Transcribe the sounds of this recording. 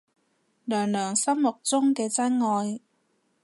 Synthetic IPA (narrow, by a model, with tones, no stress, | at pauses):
lœː˨˩ŋlœː˨˩ŋsɐ˥mmʊ˨˩k̚t͡sʊ˥ŋkɛː˧t͡sɐ˥nŋɔː˧j